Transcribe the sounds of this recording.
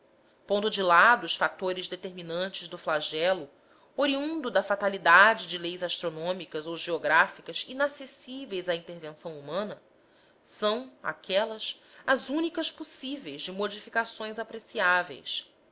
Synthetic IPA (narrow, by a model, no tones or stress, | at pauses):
põnd̪ʊd͡ʒɪlad̪ʊːsfat̪oɾɪzd̪et̪eɾminɐ̃nt͡ʃɪzd̪ʊflaʒɛlʊ | oɾiũnd̪ʊd̪ɐfat̪alid̪ad͡ʒɪd͡ʒɪlejzaʃt̪ɾonõmikɐzowʒeoɡɾafikɐzinasesivejzaĩnt̪eɾvẽsɐ̃w̃umɐ̃nɐ | sɐ̃w̃a̰kʰɛlɐsɐzũnikɐsposivejzd͡ʒɪmod͡ʒifikasõj̃zapɾesiavḛjs